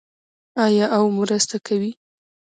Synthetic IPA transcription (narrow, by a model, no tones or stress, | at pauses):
ɑjɑʔawmɾəst̪akʰawi